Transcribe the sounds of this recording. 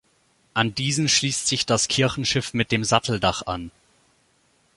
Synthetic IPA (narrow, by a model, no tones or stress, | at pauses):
ʔandiːzn̩ʃliːstz̥ɪçd̥askʰɪɐçn̩ʃɪfmɪt̚d̥eːmzatl̩daχa̰n